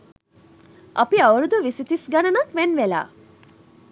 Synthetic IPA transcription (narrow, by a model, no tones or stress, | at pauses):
ʔɐpiɐwɾud̪uʋisit̪isɡɐnɐnɐkʋenʋela̰ː